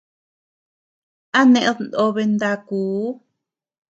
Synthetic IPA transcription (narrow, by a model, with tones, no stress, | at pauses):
a˦nẽ˧ʔẽ˦ðnd̪o˧βe˧nd̪a˧kuː˨˦